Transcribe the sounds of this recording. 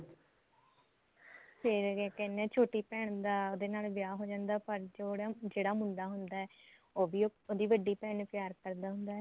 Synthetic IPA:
pʰɪɾkɛnɛ̃ːt͡ʃʰoːʈiːpɛːɳd̪aːoːd̪eːnaːlʋɪjaːɦoːd͡ʒãːnd̪aːpəɾd͡ʒoːɽaːd͡ʒeːɽaːmʊɳɖaːɦʊnd̪aːɛːoːʋiːoːd̪iːʋəɖiːpɛːnpjaːɾkəɾd̪aːɦʊnd̪aːɛː

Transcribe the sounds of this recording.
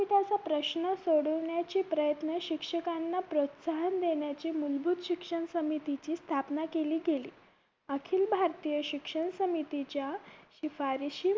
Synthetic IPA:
it̪at͡sapɾəɕnəsoɽəʋɳjat͡ɕiːpɾəjət̪nəɕikʂəkanːapɾot̪saɦənd̪eɳjat͡ɕiːmulbʱut̪ɕikʂəɳsəmit̪it͡ɕiːst̪ʰapnakeliːɡelḭː | əkʰiːlbʱaɾt̪ijəɕikʂəɳsəmit̪it͡ɕjaɕifaɾiɕi

